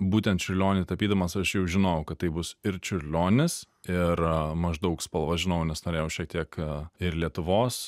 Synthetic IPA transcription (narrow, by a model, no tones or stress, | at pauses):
buːt̪ʲɛnt̪t͡ʃʲʊɾʲlʲoːnʲɪt̪ɐpʲiːd̪ɐmɐsɐʃjɛʊʒʲɪnojʊkɐt̪̚t̪ːɐɪbʊsɪɾt͡ʃʲʊɾʲlʲoːnʲɪs | ɪɾmɐʒd̪ɐʊkspɐlˠʋɐʒʲɪnɐʊnʲɛsnoːɾʲeːjɛʊʃʲiɛk̚t̪ʲiɛkɪɾlʲiɛt̪ʊʋoːs